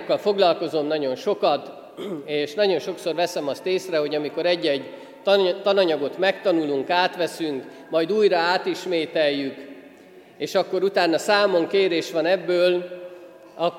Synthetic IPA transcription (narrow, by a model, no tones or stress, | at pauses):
kːɒlfo̞ɡlɒlko̞zo̞mnɒɟo̞nʃo̞kɒt̪ | eːʃnɒɟo̞nʃo̞kso̞rvɛsɛmɒst̪eːsrɛɦo̞ɟɒmiko̞ɾɛɟːɛɟ | t̪ɒnɒɲɒɡo̞t̪mɛkt̪ɒnuluŋkaːt̪ʋɛsyŋk | mɒjd̪uːjrɒaːt̪iʃmeːt̪ɛjːyk | eːʃɒkːo̞ɾut̪aːnːɒsaːmo̞ŋkeːɾeːʃʋɒnɛbːøːl | ɒ